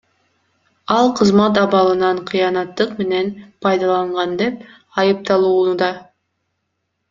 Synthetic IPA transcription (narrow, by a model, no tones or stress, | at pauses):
ɑlˠqʰəzmɑt̪ɑβɑlˠɯnɑɴqʰijɑnɑt̪ːɯqme̞ne̞npʰɑjd̪ɑlˠɑɴʁɑnd̪e̞p̚ | ɑjɯp̚t̪ɑlˠuːnud̪ɑ